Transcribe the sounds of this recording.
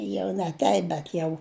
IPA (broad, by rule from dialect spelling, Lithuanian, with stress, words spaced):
ˈjɛʊ nʲɛ ˈtʲɛɪp bʲɛt ˈjɛʊ